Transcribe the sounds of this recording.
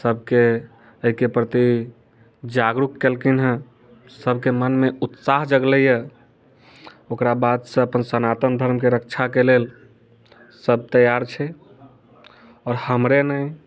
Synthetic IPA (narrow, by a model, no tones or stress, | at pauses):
səb̚ʱke | əɦikepɾət̪i | d͡ʒaɡɾukkːelkinɦə̃ | səbʱkemənmeut̪saɦd͡ʒəɡləjə | okɾabad̪sə̃əpənsənat̪əmd̪ʱəɾmkeɾək̚t͡ʃʰakelel | səb̚t̪əjaɾt͡ʃʰɛ | ɔɾhəmɾenəj